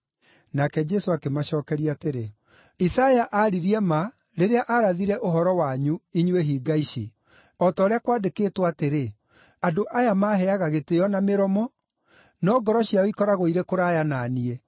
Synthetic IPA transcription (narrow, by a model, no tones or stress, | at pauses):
nakɛd͡ʒɛsoakemaɕɔːkɛɾiateɾe | isajaʔaɾiɾiɛma | ɾeɾeaʔaɾaðiɾɛʔoɦɔɾɔwaɲuiɲueɦiːɡaiʃḭ | ɔtɔːɾeakwadekeːtwateɾe | adoʔajamaɦɛaɣaɣetejɔnameɾɔmɔ | nɔɡɔɾɔɕjaɔikɔɾaɣoiɾekoɾajananiɛ